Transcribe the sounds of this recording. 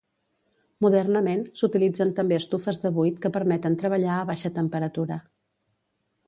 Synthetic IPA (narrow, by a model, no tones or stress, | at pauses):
muðɛrnəmensut̪ilid͡zənt̪əmbeəst̪ufəzðəβujt̪kəpəɾmɛt̪ənt̪ɾəβ̞əʎaəβaʃət̪əmpəɾət̪uɾə